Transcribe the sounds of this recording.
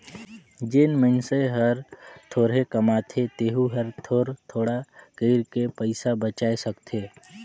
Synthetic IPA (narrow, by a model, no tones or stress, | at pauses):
d͡ʒenmənseɦəɾt̪ʰoːɾɦekəmaːt̪ʰet̪eːɦuɦəɾt̪ʰoːɾt̪ʰoːɽakeɪɾkepəɪsabət͡ʃaːesəkt̪ʰeː